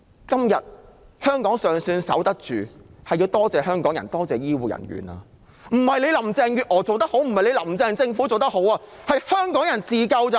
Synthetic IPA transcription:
kɐ˥mjɐ˨t̚hœː˥ŋkɔː˨˥ŋsœː˨˩ŋsyː˧nsɐ̰˨˥wt̪ɐ˥k̚t͡ʃyː˨hɐ˨jːiː˧wt̪ɔː˥t͡sɛː˨hœː˥ŋkɔː˨˥ŋjɐ̰˨˩nt̪ɔː˥t͡sɛː˨˩jiː˥wuː˨jɐ̰˨˩nɥy̰ː˨na̰ː˧ | m̩˨˩hɐ˨jle˨˧jlɐ˨˩mt͡sɛː˧ŋjyː˨ʔɔː˨˩t͡so˨wt̪ɐ˥k̚ho˨˥wm̩˨˩hɐ˨˩jle˧lɐ˨˩mt͡sɛː˧ŋt͡sɪ˧ŋfuː˨˥t͡so˨wt̪ɐ˥k̚ho˨˥waː˧hɐ˨jhœː˥ŋkɔː˨˥ŋjɐ˨˩nt͡siː˨˩kɐ˧wt͡sɐ˨

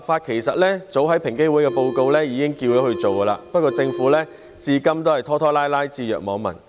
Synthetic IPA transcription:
faː˧t̚kʰe˨˩jsɐ˨t̚lɛː˥t͡so˨˥wɦɐ˨˥jpʰɪ˨˩ŋke˥jwuː˨˥jkɛ˧po˧wko˧wlɛː˥jiː˨˧kɪ˥ŋkiː˧wjɔː˨˥hɵ˧ɥt͡so˨wkɐ˧la̰ː˧pɐ˥t̚kːɔː˧t͡sɪ˧ŋfuː˨˥lɛː˥ | t͡siː˧kɐ˥mt̪o˥hɐ˨˩jt̪ʰɔː˥t̪ʰɔː˥laː˥jlaː˥jt͡siː˧jœ̰ː˨k̚mɔː˨˧˥ŋmɐ̰˨˩n

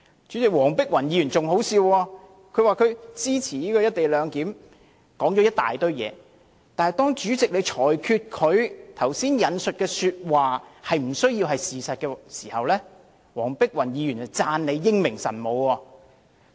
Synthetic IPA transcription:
t͡ʃyː˨˥t͡sɪ˨k̚wɔː˨˩ŋpɪ˥k̚wɐ˨˩njiː˨˧jyː˨˩nt͡sʊ˨ŋho˨˥wsiː˧wɔː˧ | kʰɵ˨˧ɥwaː˨˧kʰɵ˨˧ɥt͡siː˥t͡sʰiː˨˩niː˥kɔː˧jɐ˥t̚t̪e˨jlœː˨˧ŋkiː˨˥m | kɔː˨˥ŋt͡ʃɔ˨˧˥ɐ˥t̚t̪a̰ː˨jt̪ɵ˥ɥjɛ̰ː˨˧ | t̪aː˨nhɐ˨jt̪ɔː˥ŋt͡ʃyː˨˥t͡sɪ˨k̚le˨˧jt͡ʃʰɔː˨˩jkʰyː˧t̚kʰɵ˨˧ɥt̪ʰɐ˨˩wsiː˥njɐ˨˧nsɵ˨t̚kɛː˧syː˧t̚waː˨hɐ˨jm̩˨˩sɵ˥ɥjiː˧wɦɐ˨jsiː˨sɐ˨t̚kɛː˧siː˨˩hɐ˨wlɛː˥ | wɔː˨˩ŋpɪ˥k̚wɐ˨˩njiː˨˧jyː˨˩nt͡sɐ˨˩t͡saː˧nle˨˧jːɪ˥ŋmɪ˨˩ŋsɐ̰˨˩nmo˨˧wɔː˧

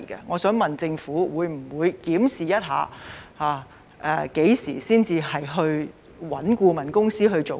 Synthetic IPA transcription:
kɛ̰˧ŋɔː˨˧sœː˨˥ŋmɐ˨nt͡sɪ˧ŋfuː˨˥wuː˨˧jm̩˨˩wuː˨˧jkiː˨˥msiː˨jɐ˥t̚ɦa̰ː˨˧haː˨˧ | ʔɛ˧ke˨˥jsḭː˨˩siː˥nt͡siː˧hɐ˨jɦɵ˧ɥ | wɐ˨˥nkuː˧mɐ˨˩nkʊ˥ŋsiː˥ɦɵ˧ɥt͡ʃo˨

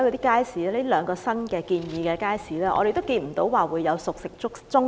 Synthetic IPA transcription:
kɔː˧iː˦˥kaː˥jsiː˨˥e˥lœː˨˧ŋkɔː˧sɐ˥nkɛː˧kiː˧njiː˨˧kɛː˧kaː˥jsiː˨˥lɛː˥ʔɔ̰˨˧ɾe˨jt̪wkiː˧nm̩˨˩t̪o˨˥wwaː˨˩wuː˨˧jːɐ˨˧wsʊ˨k̚sɪ˨k̚t͡sʊ˥k̚t͡sʊ˥ŋ

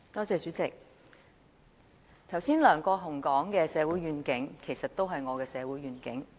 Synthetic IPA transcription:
t̪ɔː˥t͡sɛː˧sy˨˥t͡sɪ˨k̚ | t̪ʰwsiː˥nlœː˨˩ŋkɔː˧ɦʊ˨˩ŋkɔː˨˥ŋkɛː˧sɛː˨˧wuː˨˥jɥyː˨nkɪ˨˥ŋkʰe˨˩jsɐ˨t̚t̪o˥wɦɐ˨jŋɔː˨˧kɛː˧sɛː˨˧wu˨˥jɥyː˨˩nkɪ˨˥ŋ

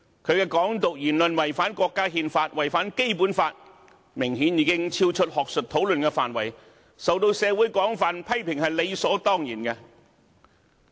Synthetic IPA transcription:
kʰɵ˨˧ɥkɛː˧kɔː˨˥ŋt̪ʊ˨k̚jyː˨˩nlə˨nwɐ˨˩jfaː˨˥nkɔː˧kːaː˥hiː˧nfaː˧t̚wɐ˨˩jfaː˨˥nke˥jpuː˨˥nfaː˧t̚ | mɪ˨˩ŋhiː˨˥njiː˨˧kɪ˥ŋt͡sʰiː˥wt͡ʃʰɵ˥t̚hɔː˨k̚sɵ˨t̚t̪ʰo˨˥wlɵ˨nkɛ˧fa̰ː˨nwɐ˨˩j | sɐ˨wt̪o˧wsɛː˨˧wuː˨˥jkɔː˨˥ŋfaː˨npʰɐ˥jpʰɪ˨˩ŋhɐ˨jle˨˧jsɔː˨˥t̪ɔː˥ŋjiː˨˩nkɛ˧

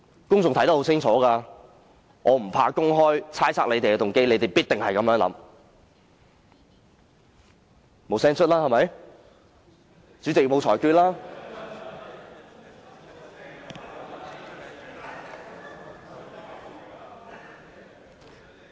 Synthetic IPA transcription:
kʊ˥ŋt͡sʊ˨ŋt̪ʰɐ˨˥jt̪ɐ˥ho˨˥t͡sʰɪ˥ŋt͡sʰɔː˨˥kaː˧ | ŋʔɔː˨˧m̩˨˩pʰaː˧kʊ˥ŋɦɔː˥jt͡sʰaː˥jt͡sʰaː˥le˨˧jt̪e˨jkɛ˧t̪ʊ˨ŋke˥jle˨˧jt̪e˨˩jpiː˥t̪̚ɪ˨ŋhɐ˨jkɐ˨˥mjœː˨˥ŋlɐ̰˨˥m | mo˨˥wsɛː˥ŋt͡ʃʰɵ˥t̚laː˥hɐ˨˩mɐ˨˥j | t͡syː˨˥t͡sɪ˨k̚mo˨˧wt͡sʰɔː˨˩jkyː˧t̚laː˥

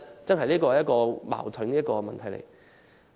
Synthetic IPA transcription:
t͡sɐ˥nɦɐ˨jliː˥k̬ɔː˧˨jɐ˥tkɔː˧ma̰ː˨˩wt̪ʰɵ˨˥ŋ˥˦˥ɐ˥kɔː˧mɐ˨nt̪ʰɐ˨˩jlḛ˨˩j

